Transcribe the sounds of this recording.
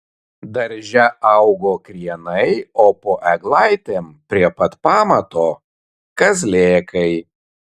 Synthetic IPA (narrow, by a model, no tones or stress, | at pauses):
d̪ɐɾʲʒʲɛʔɐʊɡoːkɾʲiɛnɐɪoːpoːʔɛɡlˠɑɪt̪ʲeːmpʲɾʲiɛpɐt̪pɑːmɐt̪oː | kɐzʲlʲeːkɐɪ